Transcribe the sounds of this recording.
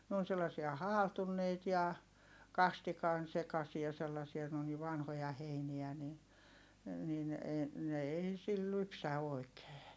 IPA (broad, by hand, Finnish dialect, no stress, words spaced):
n oːn selːɑsiɑ hɑːltunːeit jɑ kɑstikɑn sekɑsiɑ selːɑsiɑ ne on ni ʋɑnhojɑ heiniæ ni nin eː ne ei sil lypsæ oˑi̯keː